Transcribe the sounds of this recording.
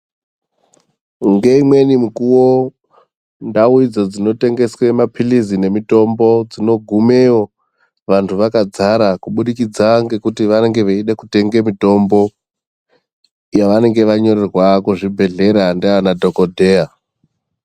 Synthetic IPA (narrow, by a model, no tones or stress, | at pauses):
ŋɡeimwe̞nimukuwo | ndauid͡zod͡zino̞te̞ŋɡe̞swemapʰilizine̞mito̞mbo̞d͡zino̞ɡʱume̞o̞ | ʋantʰuʋakad͡zaɾakuɓuɗikid͡zaŋɡe̞kutiʋane̞ŋɡe̞ʋeiɗekute̞ŋɡe̞mito̞mbo̞ | jaʋane̞ŋɡe̞ʋaɲo̞ɾerwakuʐibʱe̞ɮe̞ɾandiaanadʱo̞kodʱe̞a